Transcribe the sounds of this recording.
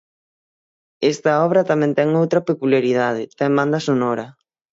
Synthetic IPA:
est̪ɐɔβ̞ɾɐt̪amɛ̃nt̪ɛŋowt̪ɾɐpekuljaɾið̞aðɪt̪ɛmband̪ɐsonɔɾɐ

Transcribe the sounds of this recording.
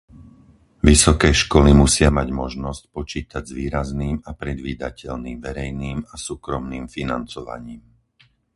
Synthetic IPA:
ʋisɔkɛːʃkɔlimusɪamaɟmɔʒnɔsc̚pɔt͡ʃiːt̪aɟzʋiːɾazniːmapɾɛd̪ʋiːd̪acɛʎniːmʋɛɾɛjniːmasuːkɾɔmniːmfinant͡sɔʋa̰ɲiːm

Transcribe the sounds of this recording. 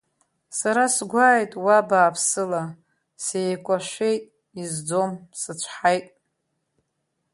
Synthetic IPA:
saɾasɡʷaːjtʼwabaːpʰsɨla | sejkʷʼaʃʷejtʼ | izd͡zo̞msɨt͡ɕʷʰħajtʼ

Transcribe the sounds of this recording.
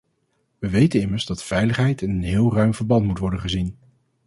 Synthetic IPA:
ʋəʋejtənɪməɹzdɑtfɛjləχɦɛjtənɦɪːlˠrœɥmvəɹbɑntmutʋɔɹdənχəzin

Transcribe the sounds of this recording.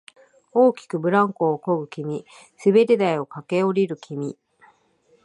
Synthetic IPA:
o̞ːkʲi̥kɯ̟bɯ̟ɾãŋko̞ːko̞ɡɯ̟kʲimʲi | sɨbe̞ɾʲed̪aio̞kake̞o̞ɾʲiɾɯ̟kʲʰimʲi

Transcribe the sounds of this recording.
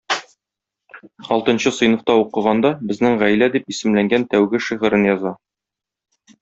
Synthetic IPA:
ɒlˠt̪ɤ̆nɕɤsɤ̆jnŏft̪ɑuqɤ̆ʁɑnd̪ɑbɘ̆znɘŋʁæjlæd̪ipisɘ̆mlæŋɡænt̪æwɡɘʃiʁɤ̆ɾɘnjɒzɑ

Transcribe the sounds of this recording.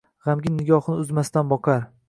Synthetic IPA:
ʁamɡʲɪnɪɡʲɒhnɪʊzmast̪anbɒqʰɑɾ

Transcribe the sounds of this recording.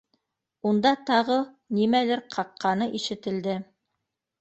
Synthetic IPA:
und̪ɑt̪ɑʁɤ | nimælɘɾqʰɑqːɑnɤʔiʃɘ̆t̪ɘ̆ld̪ɘ

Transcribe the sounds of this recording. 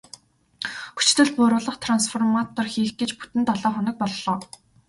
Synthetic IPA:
xu̥t͡ɕt̪ɘ̆ɮpʊːɾʊːɮə̆χt̪ʰransfɔrmat̪ɔrxiːxɡet͡ɕpu̥t̪ɘ̆nt̪ɔɮɔːχʊnɞ̆k̚pɔɮːɔː

